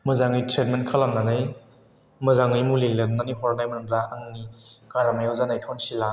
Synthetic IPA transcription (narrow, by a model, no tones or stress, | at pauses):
mɯzaŋɯjtʰɾet̚menkʰalamnanaj | mɐzaŋɯjmulilenːaniɦɔɾnajmɐnumplaʔaŋnikaɾamajawzanajtʰɔnsila